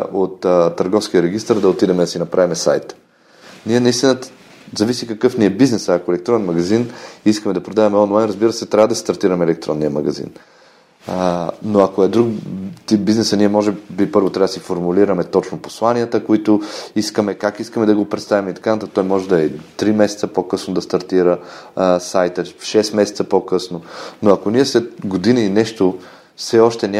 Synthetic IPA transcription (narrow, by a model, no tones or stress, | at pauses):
ʔot̪t̪ːɐɾɡɔfsk̟iəɾɛɡ̟ist̪əɾd̪ɐot̪id̪ɛmɛd̪ɐsinɐpɾavimɛsa̰jt̪ | niɛnɐist̪inə | zɐvisikɐkɤfniɛbiznɛsəɐkoɛlɛk̚t̪ɾɔnɛnmɐɡɐziniskəmɛd̪ɐpɾod̪avɐmɛɔnajnɾɐzbiɾəsɛt̪ɾʲavəd̪ɐsist̪ɐɾt̪iɾɐmɛɛlɛk̚t̪ɾɔ̰nːiəmɐ̰ɡɐzḭn | noɐkoɛd̪ɾukt̪ip̚biznɛsəniɛmɔʒɛbipɤɾvot̪ɾad̪sifoɾmuliɾəmɛt̪ɔt͡ʃnoposlˠaniət̪əkoit̪ʊiskəmɛkakiskəmɛd̪ɐɡopɾɛt̪st̪avimɛit̪ɐ̥kanɐt̪ak̚t̪ɔjmɔʒɛd̪ɐɛt̪ɾimɛsɛ̥t̪səpokɤsnod̪ɐst̪ɐɾt̪iɾəsajt̪əfʃɛsmɛsɛt̪səpokɤsnonoɐkoniɛslɛt̪ɡod̪iniːnɛʃt̪o | fsɛɔʃt̪ɛnʲa